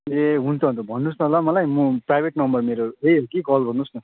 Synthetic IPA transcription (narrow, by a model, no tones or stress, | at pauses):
eɦunt̪ʰʌɦnt̪ʰubʱʌnːusnʌɦolamʌlajmũprajbʱeʈnʌmbʌrmeɾoeɦokiɡʌlbʱʌnːusnʌ